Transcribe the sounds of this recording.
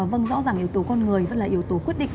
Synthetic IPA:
və˧ŋzɔ̰˧˥zaː˨˩ŋʔi˧˩əwt̪o˨˦kɔ˧nŋɨ˨˩əjvə̰˧˥nlaː˨˩ʔi˨˩əwt̪o˨˦kwt̚ɗḭ˧˨ŋ

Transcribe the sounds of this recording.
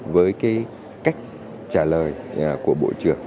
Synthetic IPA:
vəː˨˦jkaː˨˦j | ka˦˥jk̟̚ | t͡ɕaː˧˩ləː˨˩jku˧˩əɓo̰˧˩˨t͡ɕɨ˧˩əŋ

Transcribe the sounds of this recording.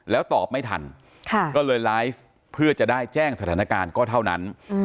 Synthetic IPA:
lɛː˦˥wt̪ɔː˨˩p̚ma˥˩jt̪ʰa̰˧n | kʰa˥˩kɔː˥˩lɤː˧jlaː˦˥jf | pʰɯ˥˩ɐt͡ɕa˨˩daː˥˩jt͡ɕɛː˥˩ŋsa˧t̪ʰaː˩˦na˧kaː˧nkɔː˥˩t̪ʰa˥˩wna˦˥n

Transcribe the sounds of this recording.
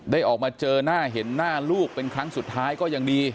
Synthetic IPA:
daː˥˩jʔɔː˨˩k̚maː˧t͡ɕɤː˧naː˥˩ɦe˩˦nːaː˥˩luː˥˩k̚pe˧nkʰɾa˦˥ŋsu˨˩t̪ʰːaː˦˥jkɔː˥˩ja˨˧ŋdiː˧

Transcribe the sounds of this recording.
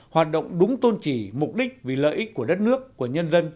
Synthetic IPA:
hwaː˨˩t̚ɗo̰˧˨wŋ͡mɗʊ˨˦ŋ͡mt̪o˧nt͡ɕi˧˩mʊ˨˩k͡p̚ɗï˦˥k̟̚vi˨˩lə̰ː˧˨jʔi˦˥k̚ku˧˩əɗə˦˥t̚nɨ˦˥əkːu˧˩əɲə˧nzə˧n

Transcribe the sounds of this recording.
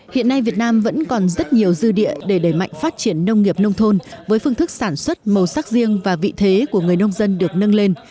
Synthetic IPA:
hḭ˧˨ənːa˧jvi˨˩ət̚naː˧mvə̰˧˥nkɔ˨˩nzə˦˥t̚ɲi˨˩əwzɨ˧ɗḭ˧˨əɗe˧˩ɗəː˧˩jma̰˧˨jŋ̟faː˦˥t̚t͡ɕi˧˩ənːə˧wŋ͡mŋi˨˩əp̚nə˧wŋ͡mt̪ʰo˧nvəː˨˦jfɨ˧əŋt̪ʰɨ˦˥k̚saː˧˩nswə˦˥t̚mə˨˩wsaː˦˥k̚zi˧əŋvaː˨˩vḭ˧˨t̪ʰe˨˦ku˧˩əŋɨ˨˩əjnə˧wŋ͡mzə˧nɗɨ˨˩ək̚nə˧nle˧n

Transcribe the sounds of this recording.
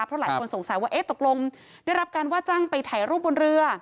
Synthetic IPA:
pʰɾɔ˦˥lːjkʰo˧nso˩˦ŋsa˨˩˦jwaː˥˩ʔeː˦˥t̪o˨˩k̚lo˧ŋ | daː˥˩jɾa˦˥p̚kaː˧nwaː˥˩t͡ɕa˥˩ŋpa˧jt̪ʰaː˨˩˦jɾuː˥˩p̚bo˧nɾɯ˧ɐ

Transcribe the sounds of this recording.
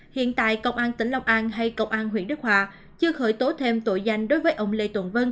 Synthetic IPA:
hḭ˧˨ənt̪a̰ː˧˨jkə̰˧wŋ͡mʔaː˧nt̪ï˧˩ŋ̟la˧wŋ͡mʔaː˧nɦa˧jkə˧wŋ͡mʔaː˧nɦwi˧˩ənɗɨ˦˥k̚hwaː˧ | t͡ɕɨ˧əxəː˧˩jt̪o˨˦t̪ʰe˧mt̪o˧˨jza˧jŋ̟ɗo˨˦jvəː˨˦jʔə˧wŋ͡mlḛ˧t̪wə̰˧˨nvə˧n

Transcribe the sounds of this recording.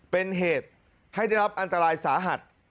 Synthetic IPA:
pe˧nɦeː˨˩t̪̚ | ha˥˩jda˥˩jɾa˦˥p̚ʔa˧nt̪a˧ɾaː˧jsaː˩˦ɦa˨˩t̪̚

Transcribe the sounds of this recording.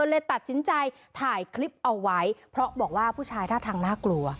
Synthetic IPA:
oː˧jlɤː˧jt̪a˨˩t̪̚si˩˦nt͡ɕa˧j | t̪ʰaː˨˩jkʰɾi˦˥p̚ʔa˧wːa˦˥jpʰɾɔ˦˥ʔbɔː˨˩k̚waː˥˩pʰuː˥˩t͡ɕʰaː˧jt̪ʰaː˥˩t̪ʰaː˧ŋnaː˥˩klu˧ɐ

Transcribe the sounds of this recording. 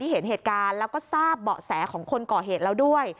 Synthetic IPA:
iː˥˩e˩˦nɦeː˨˩t̪̚kaː˧nlɛː˦˥wkɔː˥˩saː˥˩p̚bɔː˨˩sɛː˩˦kʰɔː˩˦ŋkʰo˧nkɔː˨˩ɦeː˨˩t̪̚lɛː˦˥wdu˥˩əj

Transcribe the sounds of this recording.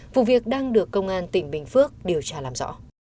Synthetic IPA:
vṵ˧˨vi˨˩ək̚ɗaː˧ŋɗɨ˨˩əkːə˧wŋ͡mʔaː˧nt̪ï˧˩ŋ̟ɓï˨˩ŋ̟fɨ˦˥ək̚ɗi˨˩əwt͡ɕaː˧laː˨˩mzɔ̰˧˥

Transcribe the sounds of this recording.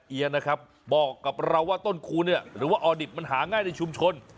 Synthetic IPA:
ʔi˧əŋna˦˥kʰa˦˥p̚ | bɔː˨˩kːa˨˩p̚ɾa˧wːaː˥˩t̪o˥˩nkʰuː˧ni˥˩ɐɾɯː˩˦waː˥˩ʔɔː˧di˨˩p̚ma˧nɦaː˩˦ŋaː˥˩jna˧jt͡ɕʰu˧mt͡ɕʰo˧n

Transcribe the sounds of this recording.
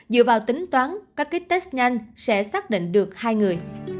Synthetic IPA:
zɨ̰˧˨vaː˨˩wt̪ï˨˦ŋ̟t̪waː˨˦nkaː˦˥kːi˦˥k̚t̪e˦˥s̚ɲa˧jŋ̟sɛ̰˧˥saː˦˥k̚ɗḭ˧˨ŋ̟ɗɨ˨˩ək̚haː˧jŋɨ˨˩əj

